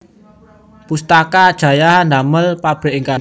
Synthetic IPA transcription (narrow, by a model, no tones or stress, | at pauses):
pust̪akad̥ʒ̥ä̤jahnd̪aməlpab̥e̤ʔiŋka